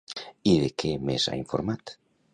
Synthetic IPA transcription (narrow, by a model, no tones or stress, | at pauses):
iðekʰemesa̰iɱfoɾmat̪